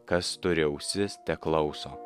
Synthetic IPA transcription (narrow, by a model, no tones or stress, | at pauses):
kɐst̪ʊɾʲɛʊsʲɪst̪ʲɛklˠɐʊsoː